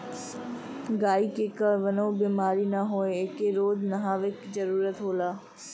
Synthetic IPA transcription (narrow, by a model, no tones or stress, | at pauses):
ɡaːikeːkəʋɐnoːbiːmaːɾinɐɦoːeɪkeɾoːd͡ʒnɐɦaːʋɪkzɐɾuːɾət̪ɦoːlaː